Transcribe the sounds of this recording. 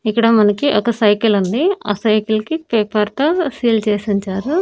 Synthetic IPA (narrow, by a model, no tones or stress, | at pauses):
ikːɐɽɐmɐnɐkiʔɔkɐsɐjkilund̪ia̰ːsɐjkilkipeːpɐɾt̪ɐsiːlt͡ʃeːsiɲt͡ʃaːɾu